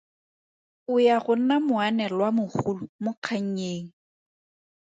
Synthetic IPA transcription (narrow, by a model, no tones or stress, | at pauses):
ʊjaɣʊnamʊanɛlwamʊχulʊmʊq͡χʰaɲ̩ɲeːŋ̩